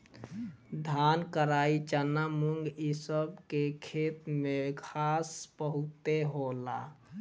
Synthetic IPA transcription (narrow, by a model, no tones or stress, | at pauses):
d̪ʱankəɾait͡ʃənamuŋɡisəbkekʰet̪mekʰaspəɦut̪eɦola̰